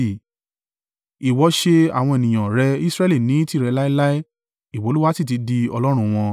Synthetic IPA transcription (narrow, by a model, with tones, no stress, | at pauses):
i˨wɔ˨˦ʃe˧a̰˨w̃ɔ̃˧e˨nĩ˨j̃ã˨ɾɛ˧i˦sɾɛ˦li˦˨nĩ˨˦ti˦˨ɾɛ˧la˦i˦la˦i˦ | i˨wɔ˨˦lu˦wa˦ti˦˨t̬i˨˦di˧ɔ˧lɔ˦ɾ̃ũ˦˧w̃ɔ̃˧